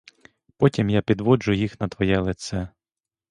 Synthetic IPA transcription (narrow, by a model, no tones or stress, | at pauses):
pɔtʲimjapʲid̪ʋɔd͡ʒʊjixnɐt̪ʋɔjɛlˠɪt̪sɛ